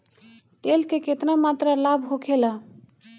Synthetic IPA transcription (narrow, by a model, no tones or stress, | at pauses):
t̪elkeket̪namat̪ɾəlabʱɦokʰelə